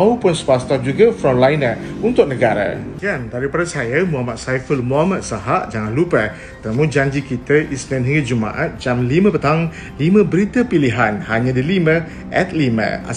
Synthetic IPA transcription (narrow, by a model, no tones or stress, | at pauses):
aupʊnsəpast̪ɔd͡ʒuɡəfɾɔmlajnãunt̪ʊk̚nəɡaɾa̰jandaɾipadasajəmuɦamat̪̚sajfəlmuɦamat̪̚saɦaʔd͡ʒaŋanlupə | t̪əmũd͡ʒaɲd͡ʒikit̪əʔislɛ̃nɦiŋəd͡ʒumã̰ʔat̪̚d͡ʒamlimə̃pət̪aŋ | limə̃bəɾit̪əpiliɦanhaɲãdilimə̃ | ʔɛt̪̚limə̰̃a̰